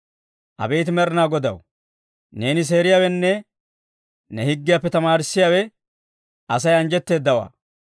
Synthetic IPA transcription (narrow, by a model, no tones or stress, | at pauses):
ʔɐ̰beːt̪ɪmɛɾɪnaːɡɔd̪ɐ̰w | ne̞ːnɪs̬e̞ːɾɪjaːwɛnːɛ | nɛhɪɡːɪjaːpːɛt̪ɐmaːɾɪsːɪjaːwɛ | ɐsɐjɐnd͡ʒɛt̪ːe̞ːd̪ːɐwa̰ː